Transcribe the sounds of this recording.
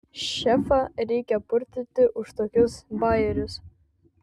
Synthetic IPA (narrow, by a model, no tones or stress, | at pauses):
ʃɛfɐɾʲɛjkʲɛpʊɾʲt̪ʲɪt̪ʲːɪʔʊʃt̪ɔkʲʊsbɑjɛɾʲʊs